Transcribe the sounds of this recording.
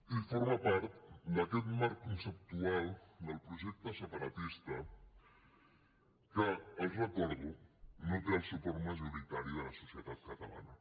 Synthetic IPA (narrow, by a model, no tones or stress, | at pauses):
ifoɾmɐpaɾt̪d̪əkɛt̪maɾkkːunsəp̚t̪ualˠd̪əlˠpɾuʒek̚t̪əsəpəɾət̪ist̪ə | kəəʒək̪ɔɾɣunuplasipoɾməʒuɾit̪aɾiələsusiət̪at̪̚kət̪əla̰nə